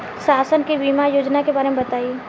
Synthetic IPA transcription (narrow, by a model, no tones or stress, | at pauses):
saːsənkibiːmajoːd͡ʒnakebaːɾemẽbɐt̪aːi